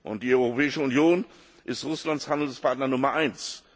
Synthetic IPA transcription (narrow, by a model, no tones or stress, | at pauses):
ʔʊnt̚d̥iːɔʏʁopɛːɪʃəʊnjoːn | ʔɪstʁʊslantshandl̩spʰaɐtnɐnʊmɐʔaɪns